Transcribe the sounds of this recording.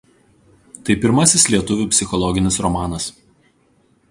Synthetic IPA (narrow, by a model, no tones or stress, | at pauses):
t̪ɐɪpʲɪɾmɐsʲɪslʲiɛt̪ʊʋʲuˑpʲsʲɪxɔlˠɔɡʲɪnʲɪsɾɔmɑːnɐs